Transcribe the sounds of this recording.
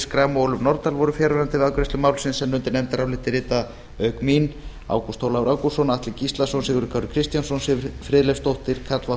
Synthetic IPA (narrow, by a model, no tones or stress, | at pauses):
skɾaːmoːwlʏmnɔɾt̪alvɔɾʏfjɛːɾɛɾant̪ɪðawkʏɾɛst̪ʏmaːwlsɪnsɛnːʏnt̪ɪɾnɛmt̪aɾawlɪht̪ɪrɪːt̪a | œːɥkmin | a̰ːwkust̪ʰowlawɾʔawkusɔnaht̪lɪcist̪lasɔnsɪɣʏɾʏkʰaɾʏ̥kʰɾɪst̪jansɔnsɪfɾɪːðlefst̪owht̪ɪɾ̥kʰat̪lva